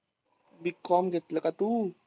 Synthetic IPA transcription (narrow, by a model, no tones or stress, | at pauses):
bikːɔmɡet̪ləkat̪u